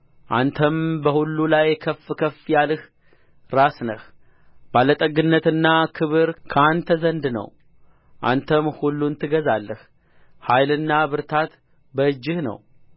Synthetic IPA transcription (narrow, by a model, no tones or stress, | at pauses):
ʔant̪ʰəmbəhulːulajkʰəfkʰəfjalɨh | ɾasnəh | balət̪ʼəɡɨnːət̪ɨnːakʰɨβɨɾkʰant̪ʰəzənd̪nə̰w | ʔa̰nt̪ʰəmhulːunt̪ʰɨɡəzalːəh | hajlɨnːaβɨɾt̪ʰat̪ | bəɨd͡ʒːɪhnə̰w